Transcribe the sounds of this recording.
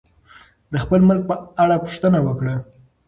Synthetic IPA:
d̪əxpəlməlɡ̚pəaɽapʊ̥ʂt̪ənawəkɽa

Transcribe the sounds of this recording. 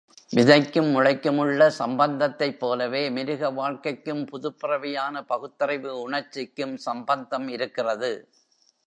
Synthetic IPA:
ʋɪðɐɪkːɯmːʊɻɐɪkːɯmɯɭːɐsɐmbɐnd̪ɐt̪ːɐɪpːoːlɐʋeːmɪɾɯɣɐʋaːɻkɐɪkːɯmpʊðʊpːɪrɐʋɪjaːnɐpɐɣɯt̪ːɐrɐɪʋɯʊɳɐɾt͡ʃːɪkːɯmsɐmbɐnd̪ɐmɪɾɯkːɪrɐðɯ

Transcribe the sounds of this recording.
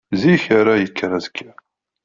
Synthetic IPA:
ziçaɾajəkʰːəɾazkʰːæ

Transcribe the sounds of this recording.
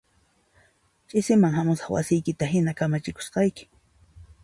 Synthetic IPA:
t͡ʃʼɪsɪmaŋhamʊsɑχwa̰sɪjkɪt̪aɦɪnakamat͡ʃɪko̥sqɑjkɪ̥

